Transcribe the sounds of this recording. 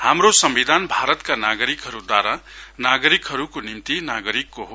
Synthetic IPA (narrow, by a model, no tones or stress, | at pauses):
hamrosʌmbid̪ʱanbʱaɾʌt̪kanaɡʌɾikɦʌɾud̪waɾanaɡʌɾikɦʌɾukonimt̪inaɡʌɾikːoɦo